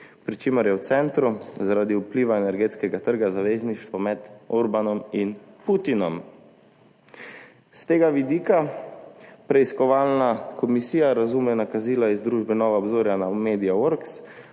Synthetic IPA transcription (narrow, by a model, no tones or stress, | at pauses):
pɾit͡ʃeːmɔɾjɛwt̪sɛnt̪ɾuzaɾaːd̪iupliːʋaɛnɛɾɡeːt̪skɛɡat̪əɾɡazaʋeːzniʃt̪ʋɔmɛd̪ɔɾbanɔminput̪inɔm | st̪eːɡaʋid̪iːka | pɾɛiskɔʋaːlnakʰɔmisiːjaɾazumɛnakaziːlaizd̪ɾuʒbɛnɔːʋaɔbzoːɾjanameːd̪ijawoɾks